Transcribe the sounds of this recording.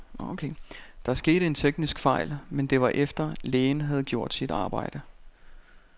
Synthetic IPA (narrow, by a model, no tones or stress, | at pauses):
okʰed̥ɑ̈æsɡ̥e̝̰ːɾ̥əe̝nt͡sʰeɡ̥nisɡ̥fɑ̈ɪ̰lmend̥e̝ʋɑ̈ʔefd̥ɐleːnɦæð̞̩ˠɡ̥jo̝ɐ̰d̥sid̥ɑ̈ːb̥ɑ̈ɪ̰d̥ə